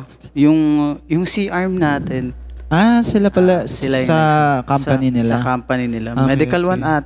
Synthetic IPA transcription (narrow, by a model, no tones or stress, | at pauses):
jʊŋjʊŋsiʔaɹmnaːt̪ɛnʔasɪlapɐlaɪljsɐkamspɐnɪnɪlakampɐnɪnɪlaomɛd̪ɪkɐlwanʔat̪̚